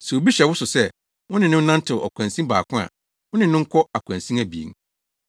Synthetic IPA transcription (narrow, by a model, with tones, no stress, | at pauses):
sɛ˨o˨bi˦ɕɛ˨wʊ˦sʊ˨sɛ˦˨ | wʊ̃˦nɪ̃˨nʊ̃˦nã˦n̩˦tʰɪ˨ʔɔ̰˨kʷʰã˨nsĩ˦mbaː˨kʰʊ̃˦a̰˨ | wʊ̃˦nɪ̃˨nʊ̃˦ŋ̩˦kʰɔ˦a˨kʷʰã˨nsĩ˦æ˨bi˨ḭ˨ŋ